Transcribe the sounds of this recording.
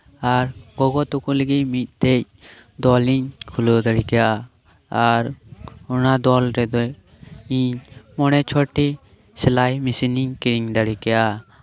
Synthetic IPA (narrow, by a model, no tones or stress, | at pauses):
aɾɡɔɡɔt̪ukuləɡimit̪̚ˀt̪ɛc̚ | d̪ɔliɲkʰulɔd̪aɽikɛja | aɾunad̪ɔlɾɛd̪ɔ | iɲmɔɽ̃ɛt͡ʃʰɔʈi | sɛlajmisiniɲkiɾiŋd̪aɽikɛja